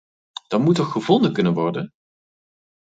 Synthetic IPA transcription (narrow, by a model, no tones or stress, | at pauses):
d̥ɑtmutɔχχəvɔndəkɵnənʋɔɹdən